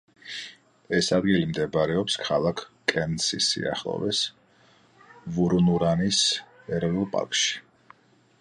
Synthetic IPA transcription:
ɛsad̪̚ɡilimd̪ɛbɾɛɔpskʰalˠakʰkʼɛnsisḭa̰χlˠɔ̰vɛs | vuɾnuɾanis | ɛɾvilˠpʼa̰ɾkʼʃi̥

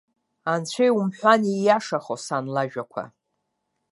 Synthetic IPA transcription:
ant͡ɕʷʰejumħʷanijaʂaχosanlaʒᶣakʷʰa̰

